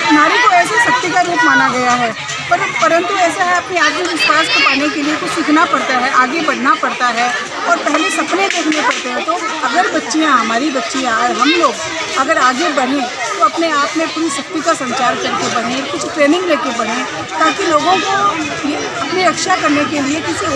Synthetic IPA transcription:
ɪnaːɾikoɛːsaʃɐk̚t̪ikad̪ɪk̪maːnaɡɐjaɦɛː | pɐpɐɾə̃nt̪uɛːsaɦɛɐpneaːked͡ʒʊt͡ʃpaːsk̪əpaːnekeliekʊt͡ʃʰsɪkʰnapɐɽt̪aɦɛʔaːɡebɐɽ̤napɐɽt̪aɦɛː | ɔːɾpɛɦlesɐpned̪eːkʰnepɐɽt̪eɦɛ̃t̪oɐɡəɾbɐtːʃijãɦɐmaːɾibɐtːʃijãɔːɾɦɐmloːɡ | ɐɡəɾaːɡebɐɽ̤ẽt̪oɐpneaːpmẽkuːɾisɐk̚t̪ikasɐ̃ɲt͡ʃaːɾkɐɾkebɐɽ̤ẽkʊt͡ʃʰʈɾeːnɪ̃ŋɡleːkebɐɽ̤ẽ | t̪aːkiloːɡõko | je | ɐpniɾɐkʃakɐɾnekeliekɪsi

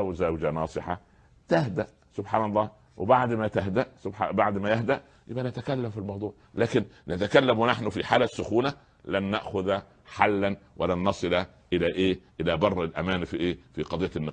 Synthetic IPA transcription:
wzæwd͡ʒænɑːsˤɨħɑ | t̪æɦd̪æʔ | sʊbħaːnɑlˤːɑː | wɪbaʕd̪mæt̪æɦd̪æʔsʊbħabaʕd̪mæjahd̪æʔ | jɪ̰bʔænæt̪ækælːæmfilmɑwd̪ˤuːʕlæːkɪnnɪt̪ækælːæmwɪnaħnʊfiħaːlæsːʊxuːnæ | lænːaʔxʊðæ | ħalːænwʔɪlænːɑsˤɨlæ | ʔɪlæːʔeːʔɪlæːbɑrˤːɪlʔæmæːnfiʔeːfiqɑd̪ˤijːænː

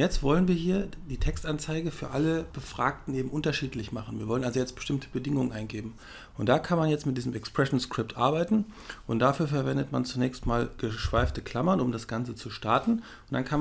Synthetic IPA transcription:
jɛt͡stv̥ɔlənviːɐɦiːɐdiːtʰɛkstʔant͡saɪɡəfyːɐʔaləb̥əfʁ̥a̰ːktn̩ʔeːbm̩ʔʊntɐʃiːtlɪçmaχn̩viːɐvɔlənʔalzojɛt͡stb̥ə̥ʃtɪmtʰə̥bədɪŋʊŋənʔaɪnɡeːbm̩ | ʊntd̥aːkʰanmanjɛt͡stmɪt̚d̥iːzəmɛkspʁ̥ɛʃn̩skʁ̥ɪp̚tʔa̰ɐbaɪtn̩ | ʔʊnt̚d̥afyːɐfɛɐvɛndətma̰nt͡sunɛːçstmaːlɡ̥əʃv̥aɪftəkʰl̥amɐnʊmdasɡ̥ant͡sət͡suʃtaɐtn̩ | ʊntd̥ankʰa

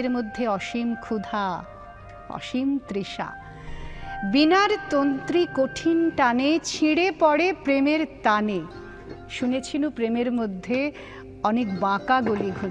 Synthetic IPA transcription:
eɾmod̪ʱːeɔʃimkʰud̪ʱa | ɔ̰ʃimt̪ɾiʃa̰ | binaɾt̪ont̪ɾikoʈʰinʈanet͡ɕʰiɽepɔɽepɾemeɾt̪ane | ʃunet͡ɕʰinupɾemeɾmod̪ʱːe | ɔnekbãkaɡoliɡʱu

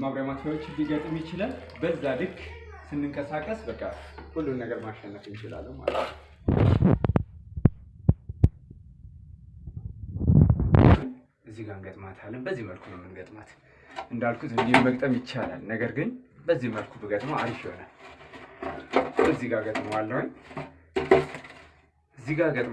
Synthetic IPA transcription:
maβɾaamat̪ʰawot͡ʃːɪd̪iɡət̪ʼɨmjɪt͡ʃɪlal | bəzːad̪ɨkː | sɨnːɨŋkʼəsakʼːəsbəkʼːakulːumːəɡəɾmaʃɛnːət̪ʼɨnt͡ʃɪla̰lːəma̰lət̪nəw | n | ɨzːiɡanɡət̪ʼmat̪ʰalːənbəzːihməlkʰunəmɨnɡət̪ʼmat̪ | ʔɨnd̪alkʰut̪ɨnd̪iməkʼt̪ʼəmjɪt͡ʃːala̰lnəɡəɾɡɨnbəzːiməlkʰubɨɡət̪ʼmaad̪ifjɪhonal | ɨziɡaɡət̪ʼmawalːəwɲ | ɨzːiɡaɡət̪ʼ

